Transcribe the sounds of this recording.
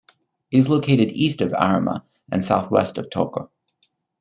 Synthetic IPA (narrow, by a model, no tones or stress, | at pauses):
ɨzloʊkʰeɪɾɨɾistʌvæ̰ɹəmə̰ | ʔɨ̰̃nsaʊθwɛ̰stʌv̥tʰoʊkə